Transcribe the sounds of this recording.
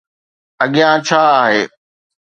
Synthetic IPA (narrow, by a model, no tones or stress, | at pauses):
əɠɪjãːt͡ʃʰaːaːɦḛː